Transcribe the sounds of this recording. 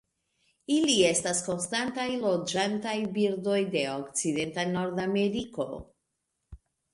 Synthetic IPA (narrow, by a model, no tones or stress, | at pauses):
ilie̞stasko̞nstantajlo̞d͡ʒantajbiɾdo̞jde̞o̞kt͡side̞ntano̞ɾdame̞ɾiko̞